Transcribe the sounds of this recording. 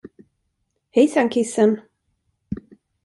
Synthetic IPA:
hɛjsaŋkʰɪsən

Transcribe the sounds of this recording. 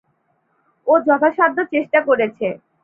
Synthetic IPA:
od͡ʑɔt̪ʰaʃad̪ʱːot͡ɕeʃʈakoɾet͡ɕʰe

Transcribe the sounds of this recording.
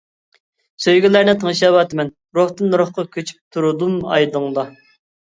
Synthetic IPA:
søjɡʲilæɾnɪt̪ʰəŋʃɑwɑt̪ɨmɛn | ɾoht̪ɨnːuɾʊχqɑkʲʰøt͡ʃʰy̥p̚t̪ʰuɾud̪umɑ̰jd̪ɨŋlˠɑ

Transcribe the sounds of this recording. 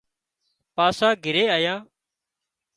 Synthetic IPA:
paːsãːɡʱɪɾeːaːjãː

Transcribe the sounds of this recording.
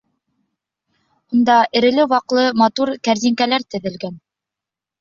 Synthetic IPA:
und̪ɑʔɘ̆ɾɘ̆lɘwɑqlˠɤmɑt̪uɾkæɾziŋkælæɾt̪ɘ̆ðɘ̆lɡæn

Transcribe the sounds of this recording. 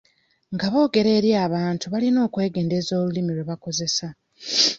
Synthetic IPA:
ŋɡaβo̞ːɡe̞ɾe̞ːɾjaːβaːntuβalino̞ːkwe̞ːɡe̞ːnde̞zo̞ːlulimiɾweβako̞ze̞sa

